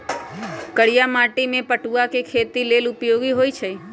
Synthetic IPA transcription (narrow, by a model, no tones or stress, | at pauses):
kəɽijamaʈimẽpəʈuakekʰet̪ilelupjoɡiɦojt͡ʃʰe